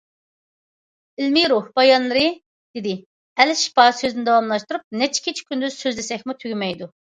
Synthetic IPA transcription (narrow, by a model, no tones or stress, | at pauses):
ilmiɾuhbɑjɑnlˠɨɾɨ | d̪̥ɪd̪ɪ | ɛlɪʃbɑːsøzinɪd̪ɑwɑmlˠɑʃt̪uɾup̚nɛt͡ʃʰi̥kʲʰet͡ʃʰi̥kʲynd̪yz̥søzlesɛkʲmut̪ʰyɡʲymɛjd̪u